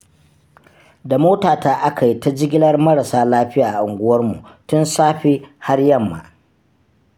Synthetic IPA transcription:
da˨moː˦taː˨taː˦ʔa˦ka˨ji˦ta˦d͡ʒɪ˦ɡʲɪ˦lɐ˦rmɐ˦ɽa˨saː˦laː˦ɸɪ˦jaː˨ʔa˨ʔʊ˨ŋɡʷʊ˦wɐ˦rmṵ˨ʔtʊ˦nsaː˦ɸi˦ha˦rjɐ˦˨mːa̰˨

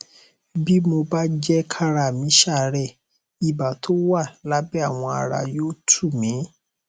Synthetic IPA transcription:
bi˦mo˧ba˦d͡ʒɛ˦kʰa˦ɾa˨mĩ˨˦ʃa˦˨ɾɛ˦˨ | i˨ba˨tʰo˦wa˦˨la˦bɛ˦a˦˨w̃ɔ̃˧a˧ɾa̰˧˨jo˦tʰu˦˨mĩ˨˦

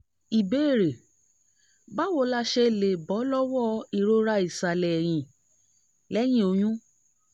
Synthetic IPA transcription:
i˨be˨˦˨ɾe˨ | ba˦wo˧˦la˧ʃɛ˧le˨bɔ˨˦lɔ˦wɔ˦i˨ɾo˧ɾa˧i˨sa˨lɛ˨j̃ĩ˨ | lɛ˨˦j̃ĩ˦o˧j̃ũ˦

